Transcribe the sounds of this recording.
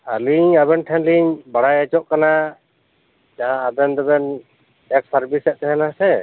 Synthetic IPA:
aliɲaβɛnʈʰɛ̃nliɲbaɽajɛt͡ʃɔʔkana | d͡ʒaãːb̪ɛnd̪ɔbɛn | ɛk̚saɾbisɛʔ̚t̪ɛɦɛnasɛ

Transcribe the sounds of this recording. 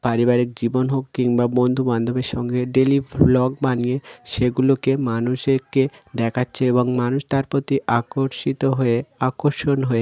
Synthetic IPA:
paɾibaɾik̚d͡ʑibonɦokːiŋbabond̪ʱuband̪ʱobeɾʃɔŋɡeɖeliblɔɡ̚banieʃeɡulokemanuʃeked̪ɛkʰatːɕʰeeboŋmanuʃt̪aɾpot̪iʔakoɾʃit̪oɦoeakoɾʃonɦoe

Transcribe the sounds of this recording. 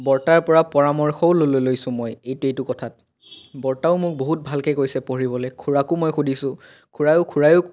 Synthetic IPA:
bɔɹtaɹpɔɹapɔɹamɔɹxɔwlololojsʊ̃mɔjejtuejtukɔtʰat̚ | bɔɹtaʊmʊk̚boɦut̚bʱalkɛkoɹjsɛpoɹibɔlɛkʰuɹakʊmɔjxudʱisʊ̃ | kʰuɹajʊkʰuɹajʊ

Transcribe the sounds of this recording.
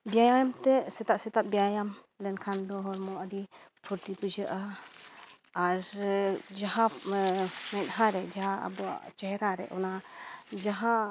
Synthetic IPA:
bijajajamt̪ɛsɛt̪aʔsɛt̪aʔbijajam | lɛnkʰand̪ɔɦɔɾmɔʔaɾi | pʰuɾt̪ipud͡ʒəʔa | ɾd͡ʒaɦa | mɛt̪̚haɾɛd͡ʒaɦaa̰bɔa̰ʔt͡ʃɛɦɛɾaɾɛ̰ʔɔnad͡ʒaɦa

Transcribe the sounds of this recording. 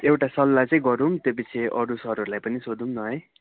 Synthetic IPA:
ewʈasʌlːat͡sʌĩɡʌɾunt̪jop̬it͡sʰeʔʌɾusʌɾɦʌɾulajpʌnisod̪umnʌɦʌj

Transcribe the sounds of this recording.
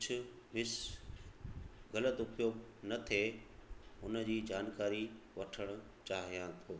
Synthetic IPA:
kʊd͡ʑʰʊ̆ | ʋɪs | ɣɐlət̪ʊpjoːɡnɐt̪ʰe | ʊnə̆d͡ʑiːd͡ʑaːnkaːɾiʋɐʈʰəɽ̃ʊ̆ | t͡ɕaːɦijãt̪ʰoː

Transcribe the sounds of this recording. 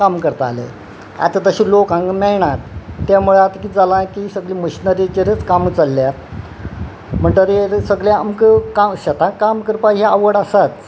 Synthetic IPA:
kamkəɾt̪a̰lḛ | a̰t̪at̪əɕĩlokãŋkmɛɭɳ̃at̪ːjamuɭat̪kiːd͡zalãkisəɡliməɕinəɾit͡ɕeɾət͡skamut͡salːjat̪ | m̤əɳʈ̪əɾeɾsəɡɭẽamkəkaɕat̪ʰãkamkəɾpaaʋəɽasat̪

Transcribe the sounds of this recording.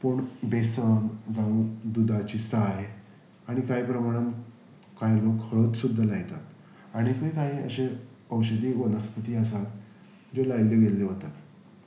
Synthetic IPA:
pəɳbesənd͡zaʋũd̪ud̪ʱat͡ɕiːsaɦe | aɽ̃ikaɦipɾəmaɽ̃ən | kajlokhʰəɭot̪sud̪ʱːalaɡt̪at̪ | aɽ̃ikəjkaɦiːə̰ɕẽ | əwɕəd̪iːʋənəspət̪iːəsat̪ | d͡ʑelajlːeɡeleɦot̪at̪

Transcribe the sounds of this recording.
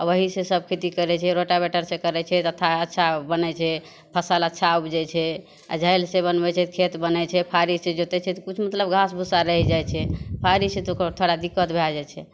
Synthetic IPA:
aəɦisẽsəb̚kʰet̪ikəɾɛt͡ʃʰɛɾoʈabɛʈəɾsẽkəɾɛt͡ʃʰɛt̪ət̪ʰaətːʃʰabənɛt͡ʃʰɛ | pʰəsələtːʃʰaubd͡ʒɛt͡ʃʰɛ | a̰d͡ʒʱəjlsebənbɛt͡ʃʰɛkʰet̪bənɛt͡ʃʰɛpʰaɾised͡ʒot̪ɛt͡ʃʰɛt̪ɔkut͡ʃʰmət̪ləbɡʱasbʱusaɾəɦɛd͡ʒajt͡ʃʰɛpʰaɾiset̪okəɾt̪ʰoɽad̪ikːət̪bʱelad͡ʒat͡ʃʰɛ

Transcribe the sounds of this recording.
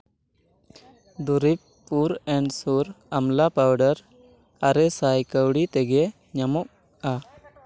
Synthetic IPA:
d̪uɾip̚ | pːuɾɛɳɖsuɾamlapawɖəɾ | aɾɛsajkəwɽit̪ɛɡɛ | ɲamɔk̚ | a

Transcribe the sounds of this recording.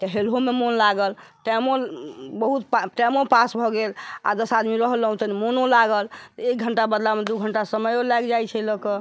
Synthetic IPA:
t̪əɦelɦomemonlaɡəlʈɛmobəɦut̪pʈɛmopasbʱɔɡela̰d̪əsad̪miɾəɦləɦũt̪ənimonolaɡəlt̪ɔek̚ɡʱəɳʈabəd̪lamed̪uɡʱəɳʈasəməjolaɡd͡ʒajt͡ʃʰɛləkə

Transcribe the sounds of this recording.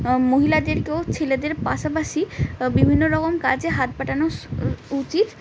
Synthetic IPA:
moɦilad̪eɾkewt͡ɕʰeled̪eɾpaʃapaʃibibʱinːoɾɔkomkad͡ʑeɦat̪̚paʈanout͡ɕit̪

